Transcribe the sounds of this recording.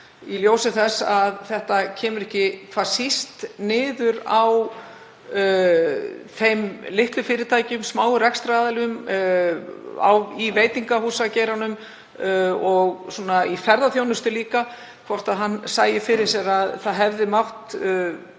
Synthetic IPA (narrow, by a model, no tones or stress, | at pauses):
iljoːwsɪθɛsaðθɛht̪acʰɛːmʏɾɛhcɪkʰvaːɾ̥sist̪nɪːðʏɾaw | θejmlɪht̪lʏfɪːɾɪɾt̪ʰaːjcmsmaːwʏɾɛkst̪ɾaːðalɪʏm | a̰wiveːjt̪iŋkahuːsaceːjɾanʏm | ɔɣsuɔnaifɛɾðaθjownʏst̪ʏliːka | kʰvɔr̥t̪aðɦansaːjɪfɪɾɪɾ̥sɛɾaðθaðɦɛvðɪmaht̪